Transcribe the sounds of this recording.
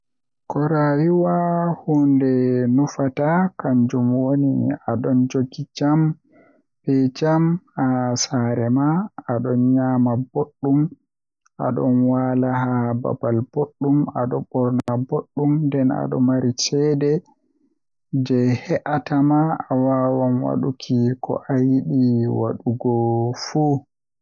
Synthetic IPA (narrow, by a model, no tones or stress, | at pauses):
kɔɾawiwahundɛnufatakaɲd͡ʒumwonḭaɗɔnd͡ʒoɡid͡ʒam | bɛd͡ʒamasaɾɛmaːɗɔnɲamaboɗːum | ʔa̰ɗɔ̰nwalahaba̰balb̥oɗːumaɗɔbɔɾnaboɗːumdɛna̰ɗɔ̰maɾit͡ʃɛːdɛ | d͡ʒɛhɛʔatamaːwawanwa̰ɗukʰikʰɔ̰ʔajiɗiwa̰ɗuɡɔfuː